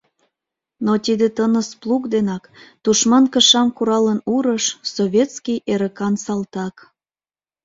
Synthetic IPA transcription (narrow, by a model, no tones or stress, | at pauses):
not̪id̪et̪ənəsplˠukd̪enɑkt̪uʃmɑnkəʃɑmkuɾɑlənuɾəʃsoβʲet̪skijʔeɾəkɑnsɑlt̪ɑk